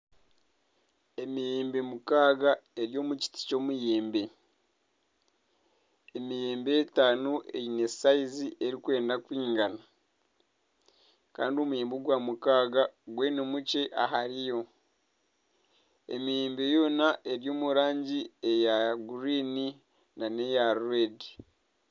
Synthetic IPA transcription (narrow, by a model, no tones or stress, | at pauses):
e̞mijeːmbe̞mukaːɡae̞ɾjo̞ːmuci̥ti̥co̞ːmujeːmbe̞ | emije̞ːmbe̞ːtaːnuʔḛine̞saiziʔe̞ɾikwe̞ːndakwiːŋɡana | ka̰ːndio̞mujeːmboɡwaːmukaːɡaɡweːnemuce̞ʔaɦaɾijo̞ | ḛmijeːmbe̞jo̞ːnaʔe̞ɾjo̞ːmuɾaːɲɟiejaɡuɾini | nane̞jaɾuedi